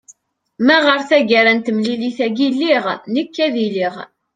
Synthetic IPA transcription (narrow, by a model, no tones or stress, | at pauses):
mæʁəɾθæɡæɾænt̪əmliliθæɡilːiʁnəkːæðiliʁ